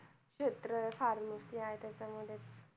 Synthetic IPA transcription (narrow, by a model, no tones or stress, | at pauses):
kɕet̪ɾəfaɾmosiaet̪jat͡ɕamuɽet͡s